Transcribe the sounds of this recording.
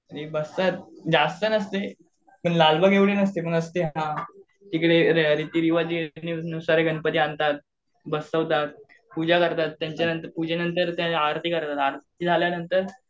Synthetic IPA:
əɾebəst̪at̪̚d͡ʑast̪ənəst̪e | pəɳlalbəɡʱeʋɭinəst̪epəɳəst̪eɦɦã | t̪ikɽeɾɾit̪iːɾiʋad͡ʑininusaɾeɡʱənpət̪iant̪at̪̚ | bəsəʋt̪at̪̚ | pud͡ʑakəɾt̪at̪ːjaɲt͡ɕjanənt̪əɾpud͡ʑenənt̪əɾt̪jãaɾt̪iːkəɾt̪at̪aɾt̪iːd͡zʱaljanənt̪əɾ

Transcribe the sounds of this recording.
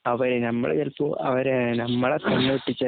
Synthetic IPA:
ɐʋɐɾenɐmːɐ̰ɽḛjɐlpuɐ̰ʋɐɾenɐmːɐɭet̪ɐɳːɐʋiʈːit͡ɕːɐ

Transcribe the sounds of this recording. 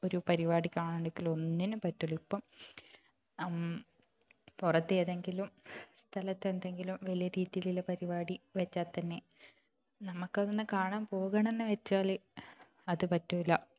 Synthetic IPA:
o̞ɾupɐɾiʋaːɽikʲːaːɳaːɳɖeŋɡilo̞nːinɨpɐtːuɭipːo | purɐt̪ːeːðeŋɡilumst̪ʰɐlɐt̪ːe̞nd̪e̞ŋɡilumʋɐlijɐɾiːðijililepɐɾiʋaːɽiʋɐt͡ɕːaːt̪ːɐnːe̞ | nɐmukːɐðenːɨkaːɳaːmpo̞ːɣɐɳe̞nːɨʋɐt͡ɕːaːle | ɐðɨpɐtːumilːɐ

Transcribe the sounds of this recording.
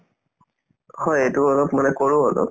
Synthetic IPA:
hɔjejtuɔlɔpmanɛkoɹũɔlɔ̰p̚

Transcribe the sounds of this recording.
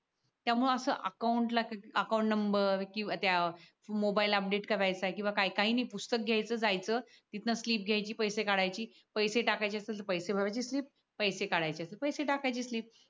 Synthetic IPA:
t̪jamuɭəsəːʔəkauɳʈlakaəkawũɳʈnəmbəɾkĩat̪ja | mobailəp̚ɖeʈkəɾajt͡saekĩw̃ʋakaɦikaɦiːnaipust̪ək̚ɡʱjajt͡səːd͡zajt͡səː | t̪it̪nasliːp̚ɡʱjajt͡ɕiːpəjsekaɽajt͡ɕiː | pəjseʈakajt͡ɕiasəəpəjsebʱaʋajt͡ɕiːsliːp̚ːəjsekaɽajt͡ɕiasepəjseʈakajt͡ɕiːsliːp̚

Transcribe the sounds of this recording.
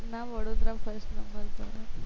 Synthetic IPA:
ɾnaʋəɽod̪ɾafəɾsʈnəmbʱəɾt̪o

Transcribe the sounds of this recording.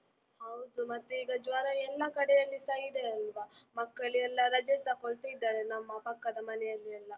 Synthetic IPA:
hɐwd̪umɐt̪ːuiːɡɐd͡ʒʋaːɾɐɛlːɐkɐɽɛjɐlːisaːjid̪eɐlʋamɐkːɐɭiɛlːɐɾɐd͡ʒɛsɐkoɭt̪iid̪ːaːɾenɐmːɐpɐkːɐd̪ɐmɐnɛjɐlːiɐlːɐ

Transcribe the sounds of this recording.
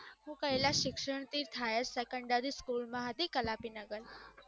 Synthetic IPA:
ɦũːkailaɕikʂəɳ̃t̪iːɾt̪ʰajəsɛkəɳɖaɾiskuːlmaɦad̪ikəlapiːnəɡəl

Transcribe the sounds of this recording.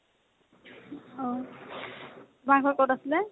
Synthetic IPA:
ɔ | baŋkʰɔɹkɔtasilɛ

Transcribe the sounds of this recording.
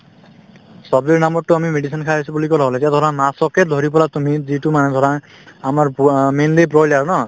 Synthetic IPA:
sɔbdiɹnamɔuamimeɖisʰɔnkʰaisubulikɔlɔɔlatjad̪ʱɔɾamasɔked̪ʱɔɾip̬ɔlat̪umizitumanɛd̪ʱɔɾa | amaɹmenlep̬ɹɔjlaɹnɔ

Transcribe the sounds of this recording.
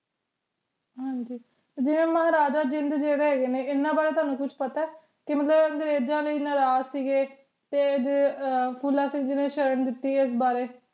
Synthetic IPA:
ɦãːɲd͡ʒiː | d͡ʒɪʋẽːməɦɾaːd͡ʒaːd͡ʒɪ̃nd̪d͡ʒeːɽeːɦeːɡeːneːɪnːãːbaːɾeːt̪aːnũːkʊt͡ʃʰpət̪aː | kɪmət̪ləbɡəɾeːd͡ʒãːləiːnəɾaːzsiːɡeː | t̪eːd̪epʰuːlãːsiːɡd͡ʒɪʋẽːʃəɾəɳd̪ɪt̪ːiːɪs̬baːɾeː

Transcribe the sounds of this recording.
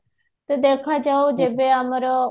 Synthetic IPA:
t̪əd̪eːkʰaːd͡ʒaːoːd͡ʒeːbeːamɾo

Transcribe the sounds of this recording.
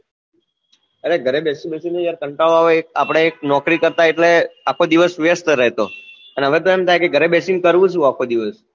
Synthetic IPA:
əɾeɡʱəɾebɛsibɛsined͡ʒjaɾkəɳʈaoaʋeek̚a̰pɽ̃eːk̚nɔkɾikəɾt̪aeʈleakʰod̪iʋəsʋjəst̪əɾɛɦt̪opənɦəʋet̪oɛmt̪ʰajkeɡʱəɾebɛsinkəɾʋũt͡ʃũakʰod̪iʋəs

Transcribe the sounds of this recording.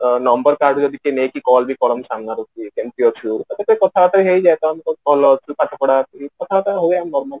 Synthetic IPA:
nɔmbəɾkaɾɖd͡ʒɔd̪ʱikenekikɔlbʱikɔlɔmsaŋɡaɾot̪ikemt̪iot͡ʃʰut̪ɔbet̪oikɔt̪ʰaat̪aiɦejd͡ʒajt̪oamkobɔlɔt͡ʃʰukat͡ʃʰapɔɽakikɔt̪ʰaat̪ʰaɦoeamnɔɾməl

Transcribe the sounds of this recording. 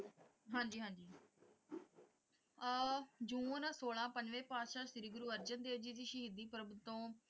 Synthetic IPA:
ɦãːɲd͡ʒiːɦãːd͡ʒiː | d͡ʒũːnãːsoːlãːpəɲd͡ʒʋẽːpaːd̪ʃaːʃɪɾiːɡʊɾuːəɾd͡ʒənd̪eːd͡ʒiːd̪iːʃəɦid̪iːpɾəbt̪õː

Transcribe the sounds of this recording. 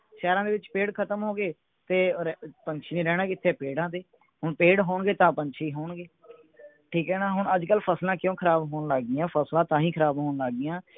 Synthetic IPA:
ʃɛːɾãːd̪eːʋɪt͡ʃpeːɽkʰət̪əmɦoːɡeː | t̪eːɾpəɲt͡ʃʰiːnẽːɾɛːɽãːkɪt̪ʰːeːpeːɽãːd̪eː | ɦʊɳpeːɽɦoːɳɡeːt̪ãːpəɲt͡ʃʰiːɦoːɳɡeː | ʈʰiːkɛːnaːɦʊɳəd͡ʒkəlpʰəslãːkjõːkʰəɾaːbɦoːnlaːɡɪjãːpʰəslãːt̪ãːĩːkʰəɾaːbɦoːnlaːɡɪjãː

